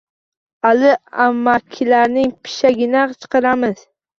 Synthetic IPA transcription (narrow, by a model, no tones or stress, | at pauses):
alɪamːakʲʰːɪlaɾnɪŋpʰɪ̥ʃaɡʲɪnat͡ʃʰɨ̥qɨɾamɪz̥